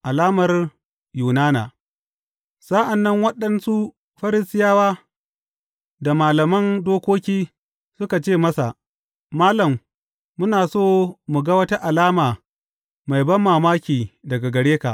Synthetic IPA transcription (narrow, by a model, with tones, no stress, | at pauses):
ʔa˨laː˦mɐ˨r | juː˨naː˦na̰ː˨ | sa˦ʔa˨nːɐ˦ŋwɐ˦ɗɐ˦nsu˦ | ɸɐ˦ɾɪ˦sɪ˦jaː˦waː˦ | da˨maː˨lɐ˨mɐ˦ndoː˦kʷoː˦kʲiː˦ | sʊ˦ka˨t͡ʃeː˦˨mɐ˦sa˨ | maː˦lɐ˨mː | ʊ˦naː˨soː˦˨mu˨ɡɐ˦wɐ˦tɐ˦ʔa˨laː˦maː˨ | ma˨jbɐ˦mːaː˨maː˦kʲiː˨dɐ˨ɡa˨ɡɐ˨ɽeː˦ka̰˨ʔ